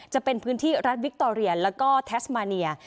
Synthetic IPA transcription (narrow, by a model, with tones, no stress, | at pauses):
t͡ɕa˨˩pe˧npʰɯː˦˥nt̪ʰiː˥˩ɾa˦˥t̪̚wi˦˥k̚t̪oː˧ɾi˧ɐlɛː˦˥wkɔː˥˩t̪ʰɛː˦˥smaː˧ni˧ɐ